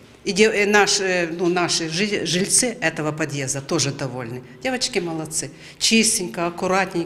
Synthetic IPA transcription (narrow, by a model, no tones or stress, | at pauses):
idʲenaʂnunaʂɨʐɨʐɨlʲt̪sɨɛt̪ɐvɐpɐd̪ʲjezd̪ɐt̪o̞ʐɨd̪ɐvo̞lʲnɨdʲevɐt͡ɕkʲɪmɐlˠɐt̪sɨ | t͡ɕisʲtʲɪnʲkɐɐkʊɾatʲnʲɪj